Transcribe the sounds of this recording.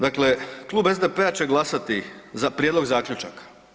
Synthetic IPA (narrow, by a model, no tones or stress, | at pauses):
d̪akle̞klˠuːbe̞zd̪epe̞at͡ɕe̞ɡlˠasat̪izapɾʲjed̪lo̞ɡzaːkʎut͡ʃakḁ